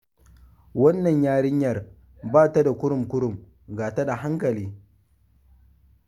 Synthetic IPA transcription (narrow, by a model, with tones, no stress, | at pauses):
wɐ˦nːɐ˨ɲjaː˦ɽɪ˦ɲjɐ˨r | baː˦ta˦da˨kʷʊ˦ɽʊ˨mkʷʊ˦ɽʊ˨m | ɡaː˨ta˦da˨ɦa˦ŋkɐ˨liː˦